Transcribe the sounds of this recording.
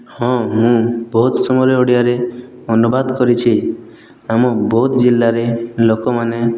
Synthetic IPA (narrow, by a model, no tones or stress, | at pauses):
hɔ̃mũbɔɦut̪sɔmɔɾeoɽijaɾebʱɔnubad̪kɔɾit͡ʃʰi | amɔbɔut̪d͡ʒilːaɾelokɔmane